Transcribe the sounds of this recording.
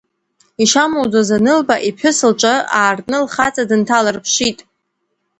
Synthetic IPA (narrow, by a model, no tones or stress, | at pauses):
iʃamowd͡zazanɨlbaʔipʰʊsɨlt͡ʃʷʼaaːrtʼnɨlχat͡sʼadɨntʰalarpʰʂitʼ